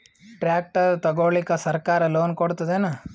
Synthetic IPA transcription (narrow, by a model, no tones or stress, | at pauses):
ʈɾjaːk̚ʈɐt̪ɐɡoːɭikːɐsɐɾkaːɾɐloːnkoɽt̪ɐd̪ena